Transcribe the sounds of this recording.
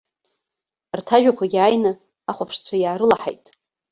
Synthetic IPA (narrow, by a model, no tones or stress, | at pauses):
rtʰaʒᶣakʷʰaɡʲiajnɨ | aχʷapʰʂt͡sʷʰajaːɾɨlaħa̰jtʼ